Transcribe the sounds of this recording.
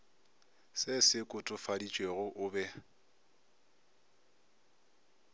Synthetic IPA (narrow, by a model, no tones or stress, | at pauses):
sɪsɪkʼʊtʼʊfadit͡ʃʼweɣʊʔʊːbɛ